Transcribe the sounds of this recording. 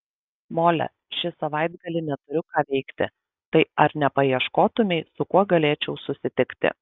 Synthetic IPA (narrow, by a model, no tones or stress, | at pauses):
moːlʲɛ̰ | ʃʲɪsɐʋɐˑɪd̪ɡɐlʲɪnʲɛt̪ʊɾʲʊkɑːʋʲɛɪkt̪ʲɪ̰ | t̪ɐɪɐɾnʲɛpɐiɛʃkoːt̪ʊmʲɛɪsʊkuɔɡɐlʲeːt͡ʃʲɛʊsʊsʲɪt̪ʲɪkt̪ʲɪ̰